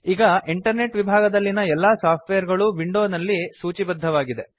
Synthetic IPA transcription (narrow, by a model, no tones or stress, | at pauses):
iːɡɐiɳʈɐɾne̞ʈʋibʱaːɡɐd̪ɐlːinɐɛlːaːsaːp̚ʰʈʋejɐɾɡɐɭuʋiɳɖoːnɐlːisuːt͡ʃibɐd̪ʱːɐʋaːɡid̪e̞